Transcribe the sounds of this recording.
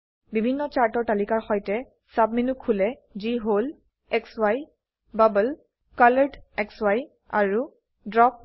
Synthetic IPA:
bibʱinːɔt͡ʃaɹtɔɹtalikaɹxɔjtɛ | sab̚minukʰːulɛ | ziɦol | ɛkswaj | babəl | kaləɹdɛkswaj | a̰ɹu | dɹɔp̚

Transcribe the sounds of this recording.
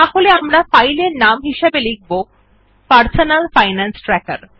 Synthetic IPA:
t̪aholeamɾafajleɾnamɦiʃebeliɡ̚ʱbo | paɾsonalfajnansʈɾɛka̰ɾ

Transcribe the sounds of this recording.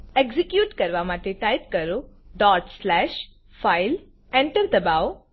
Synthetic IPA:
eɡzikjuːʈkəɾʋamat̪eʈajt̪kəɾoɖɔːɾʈslɛːʃ | faɪl | ɛ̃ɳʈəɾd̪əbaw

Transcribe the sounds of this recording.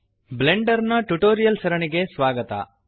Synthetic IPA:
bleɳɖɐɾnɐʈuʈoːɾijɐlsɐɾɐɳiɡe̞sʋaːɡɐt̪ɐ̰

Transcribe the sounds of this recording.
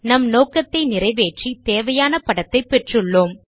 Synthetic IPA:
nɐmnoːkɐt̪ːɐɪnɪrɐɪʋeːʈrit̪eːʋɐjaːnɐpɐɽɐt̪ːɐɪpːɛʈrɯɭːoːm

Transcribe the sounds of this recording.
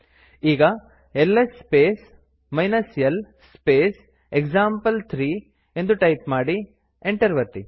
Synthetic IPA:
iːɡɐ | elːɐspeːs | mɐjnɐsjɐl | speːs | ekd͡ʒaːmpɐlt̪ʰɾiː | e̞nd̪uʈɐjpmaːɽi | eɳʈɐɾʋɐɾt̪i

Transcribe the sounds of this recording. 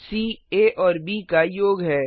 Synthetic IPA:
siːeːʔɔːɾbiːkajoːɡɦɛː

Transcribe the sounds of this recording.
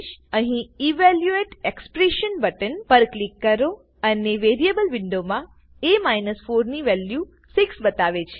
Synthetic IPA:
ʃəɦĩiʋɛljueʈekspɾeʃənbəʈənpəɾklikːəɾo | əneʋeɾijebəlʋɪɳɖomã | emainəsfoɾniʋɛlju | siksbət̪aʋet͡ʃʰe̥

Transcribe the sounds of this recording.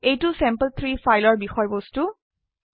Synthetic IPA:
ejtʊsɛ̃mpəlt̪ʰɹifajlɔɹbixɔjbostu

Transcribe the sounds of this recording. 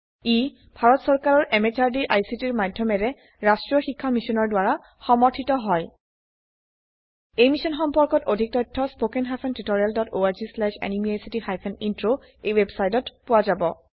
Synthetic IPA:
i | bʱaɹɔtsɔɹkaɹɔɹʔɛmet͡ʃaɹdiʔajsitiɹmadʱjɔmɛɹɛ | ɹastɹijɔxikʰːamisɔnɔɹdwaɹa | xɔmɔɹtʰitɔɦɔj | ejmisɔnxɔmpɔɹkɔtodʱik̚tɔjtʰːɔspokɛnɦajpʰɛntitoɹialdɔtoaɹzislɛʃɛ̰nimiajsitixajpʰɛnintɹo | ejwɛbsajtɔtpʊwazabɔ

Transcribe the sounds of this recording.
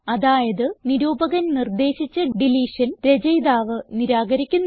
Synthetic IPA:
ɐðaːjɐðɨniɾuːbɐɣɐnnird̪e̞ːɕit͡ɕːɐɖiliːʂɐnɾed͡ʑɐjd̪aːʋɨniɾaːɡɐɾikʲːunː

